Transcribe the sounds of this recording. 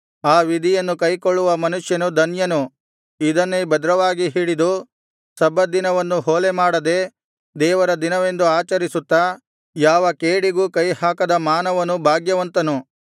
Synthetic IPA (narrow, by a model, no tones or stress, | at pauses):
aːʋid̪ʱijɐnːukɐjkoɭːuʋɐmɐnuʂjɐnud̪ʱɐnjɐnu | id̪ɐnːebɐd̪ɾɐʋaːɡiɦiːɽid̪u | sɐbʱɐd̪inɐʋɐnːuɦoːlemaːɽɐd̪e | d̪ɛːʋɐɾɐd̪inɐʋe̞nd̪uaːt͡ʃɐɾisut̪ːa | jaːʋɐkeːɽiɡuːkɐjhaːkɐd̪ɐmaːnɐʋɐnːubʱaːɡjɐʋɐnt̪ɐnu